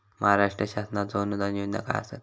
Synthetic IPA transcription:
məɦaɾaʂʈɾəɕasnat̪d͡zonud̪anjond̪a̰ka̰ja̰sa̰t̪

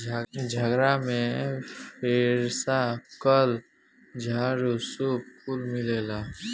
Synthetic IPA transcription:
d͡ʒʱəɡɾamẽpʰeːɾsakəl | d͡ʒʱaːɾosup̚pulmɪleːlaː

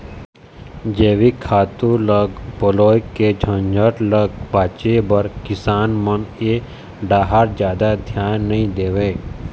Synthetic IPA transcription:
d͡ʒeːʋikʰaːt̪ũləɡbəloːjkːed͡ʒʱə̃nd͡ʒʱəɾləɡ̚bʱaːt͡ʃebəɾkɪsaːnməne | ɖaːɦaɾd͡ʒjaːd̪ad̪ʱjaːnːəɦĩd̪eːʋeː

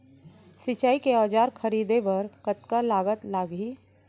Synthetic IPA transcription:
sɪt͡ʃaːikeaːd͡ʒaːɾxʰəɾiːd̪ebəɾkət̪kalaːɡət̪laːɡiː

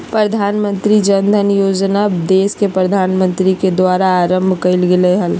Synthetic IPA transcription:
pɾəd̪ʱaːnmə̃nt̪ɾid͡ʒənd̪ʱənjoːd͡ʒnad̪eːskepɾəd̪ʱaːnmə̃nt̪ɾiked̪waːɾaːɾə̃mbʱkəɪlɡeleɦəl

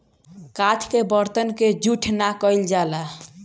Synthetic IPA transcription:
kat̪ʰkebəɾt̪ənked͡ʒuʈʰnakəjld͡ʒala

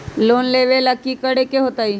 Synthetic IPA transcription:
loːnleːʋeləkikəɽekeɦoːt̪aːiː

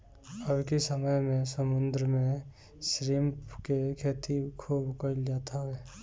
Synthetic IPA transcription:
əbkesəməjmẽsəmʊ̃nd̪ɾəmẽ | sɾimpkekʰeːt̪ʰikʰuːbkəld͡ʒaːt̪ʰaɦɛː

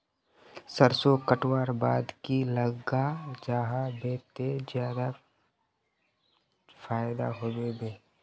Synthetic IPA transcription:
səɾsokəʈwaːɾba̰ːd̪kiləɡad͡ʒaːɦabeːt̪ezjaːd̪a | faːɪd̪a̰ɦoːbebeː

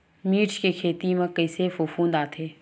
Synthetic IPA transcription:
miːɾt͡ʃkekʰeːt̪imẽkɐɪsefuːfũːnd̪aːt̪ʰeː

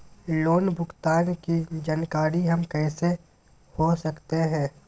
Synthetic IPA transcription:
loːnbʱʊɡt̪aːnkid͡ʒaːnkaːɾiɦɐmkɛːse | hosəkt̪eɦɛ̃ː

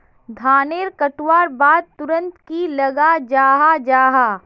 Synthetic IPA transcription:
d̪ʱaːneːɾkɐʈwaːɾbaːd̪̚t̪ʊɾə̃nt̪kilɐɡad͡ʒaːɦad͡ʒaːɦaː

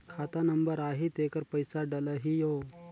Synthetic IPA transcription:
kʰaːt̪anɐmbəɾaːɦit̪eːkəɾpəjsaɖɐləɦijoː

